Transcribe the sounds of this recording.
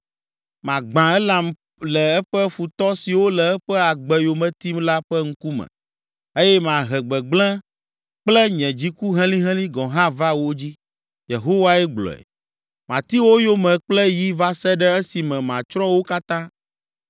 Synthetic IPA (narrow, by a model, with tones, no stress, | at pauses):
mã˨ɡ͡bã˨ɛ˦lã˨m | lɛ˨ɛ˦ɸɛ˦fu˨t̪ɔ˦si˨wo˦lɛ˨ɛ˦ɸɛ˦a˨ɡ͡bɛ˨jo˨mɛ̃˨t̪i˦mla˦ɸɛ˦ŋ̩˦ku˦mɛ̰̃˨ | e˦jɛ˦mã˨ɦɛ˨ɡ͡bɛ˨ɡ͡blɛ̃˦ | k͡plɛ˦ɲɛ̃˨d͡ʑi˦ku˦ɦɛ̃˦lĩ˦ɦɛ̃˦lĩ˦ɡɔ̃˨ɦã˦va˦wo˦d͡ʑi˦ | je˨ɦo˦wa˦ɛ˦ɡ͡blɔ̰˨ɛ̰˨ | mã˨t̪i˦wo˦jo˦mɛ̃˨k͡plɛ˦ji˦va˦sɛ˦ɖɛ˦e˦si˨mɛ̃˨mã̰˨t͡ʃɾɔ̃˦wo˦ka˦t̪ã˦